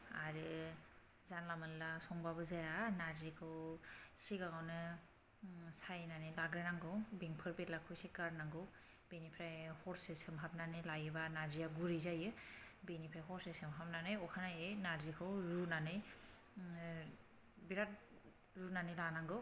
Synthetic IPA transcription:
aɾɯ | zanlamɯnlasɔŋbabɯzajanaɾzikʰɯwsiɡaŋawnɯ | sajnanɯjlaɡɾenaŋɡɯwbeŋpʰɯɾbetlakʰɔjsekaɾnaŋɡɯw | b̥enipʰɾajhɔɾsesɯmɦap̚nanɯlajɯbanazijaɡuɾizajɯbenipʰɾajɦɔɾsesɯmɦap̚nanɯjɔkʰanajenaɾzikʰɯwɾunanɯj | biɾat̚ | ɾunanɯjlanaŋɡɯw

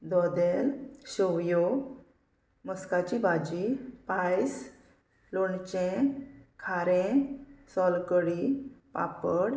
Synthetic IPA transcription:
d̪ɔd̪ɛlɕɔwjo | məskat͡ɕibad͡ʑipajs | loɳt͡ɕẽkʰaɾẽsɔlkəɽipa̰pəɽ

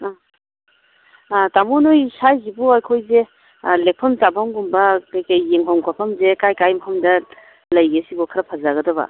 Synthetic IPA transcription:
tamonojsajzibɔajkʰojze | lek̚pʰɐmzabaŋɡumbɐkɐjkɐjːeŋɦɔŋkʰapʰɐmzekajkajmhʰɐmdɐ | lɐjɡesibɔkʰɐɾɐpʰazaɡɐdɐbɐ̰

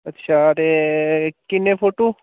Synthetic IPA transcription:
ɐtːʃʰaɾe | kɪnːepʰoːʈoː

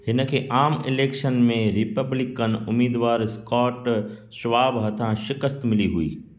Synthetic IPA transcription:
hɪnəkʰeːʔaːmɪ̰leːkʃənmẽɾɪpəblɪkənʊ̰miːd̪ʋaːɾskɔːʈʃʋaːbɦɐt̪ʰãʃɪkəst̪mɪliɦuḭː

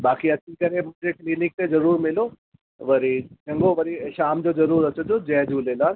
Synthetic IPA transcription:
baːkiɐt͡ɕʰikɐɾemʊ̃ɦɪ̃d͡ʑekliːnɪk̚t̪ezɐɾuːɾmɪlo | ʋɐɾit͡ɕɐ̃ŋɡoʋɐɾiʃaːmd͡ʑozɐɾuːɾɐt͡ɕod͡ʑ̪od͡ʑɛːd͡ʑʱuːleːlaːɾ

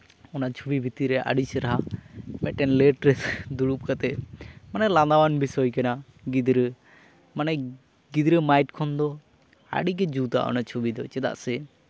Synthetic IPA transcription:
ɔnat͡ʃʰubibʱit̪iɾɛʔa̰ɖisɛɾaɦamɛʈɛnlɛʈɾɛsd̪uɽup̚kat̪ɛʔmanɛland̪awanbʱisɔjkana | ɡid̪ɾə | manɛ | ɡid̪ɾəmajʈkʰɔnd̪ɔ | a̰ɽik̬ɛd͡ʒut̪a̰ʔɔ̰nat͡ʃʰubid̪ɔt͡ʃɛd̪a̰ʔsɛ

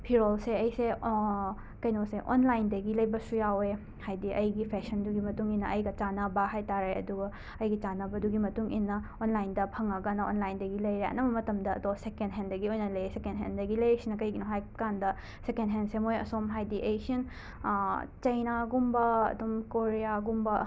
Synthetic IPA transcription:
pʰiɾolseɐjse | kɐjnoseʔonlajndɐɡilɐjbɐsujawe | hajdiʔɐjɡipʰesɐnduɡimɐtuŋinːɐʔɐjɡɐt͡ʃanɐbɐɦajtaɾeɐ̰duɡɐ | ɐjɡit͡ʃanɐbɐduɡimɐtuŋʔinːɐonlajndɐpʰɐŋɐɡɐnɐonlajndɐɡilɐjɾeɐ̰nɐbɐmɐtɐmdɐ̰ːdosekendɦendɐɡiojnɐlɐjesekendɦendɐɡilɐesinɐkɐjɡinoɦajkandɐ | sekendɦensemojɐ̰somɦajdiʔejsiin | t͡ʃɐjnaɡumbɐɐ̰dumkoɾijaɡumbɐ

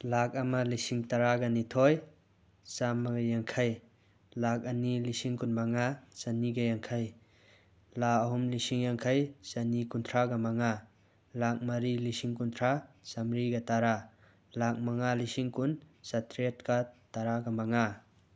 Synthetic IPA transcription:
lak̚ɐmalisiŋtaɾaɡɐnitʰɔj | samːɐɡɐjaŋkʰaj | lak̚ɐnilisiŋkunmaŋasɐniɡajaŋkʰaj | laɐɦumlisiŋjaŋkʰajsɐnikunt̪ʰɾaɡamɐŋa | lak̚mɐɾilisiŋkuntʰɾasamɾiɡɐtaɾa | lak̚maŋalisiŋkun | sɐtʰɾet̚kataɾaɡɐmaŋa

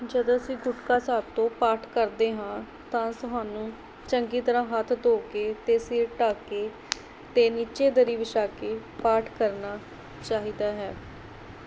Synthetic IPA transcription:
d͡ʒəd̪õːəsĩːɡʊʈkaːsaːb̚t̪õːpaːʈʰkəɾd̪eːɦãː | t̪ãːsʊɦãːnũː | t͡ʃəŋɡiːt̪əɾãːɦət̪ʰd̪oːkeːt̪eːsiːɾʈaːkeː | t̪eːniːt͡ʃeːd̪əɾiːʋɪʃaːkeː | paːʈʰkəɾnaː | t͡ʃaːɦiːd̪aːɦɛː

